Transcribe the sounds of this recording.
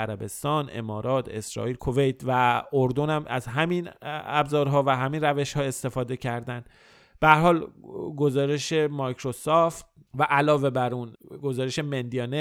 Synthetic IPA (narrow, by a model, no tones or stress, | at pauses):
æɾæbe̞st̪ɒːne̞̰mɒːɾɒːt̪ʰe̞̰sɾɒ̰ːiːlkʰo̞vejt̪ʰvæoɾd̪onæmæzɦæminæbzɒːɾɦɒːvæɦæmiːnræve̞ʃhɒːe̞st̪e̞fɒːd̪e̞cʰæɾd̪ænd | b̥ææɾɦɒːlɡo̞zɒːɾe̞ʃe̞mɒjkʰɾosoft̪ | væʔælɒːve̞bæɾunɡo̞zɒːɾeʃe̞mend̪iɒne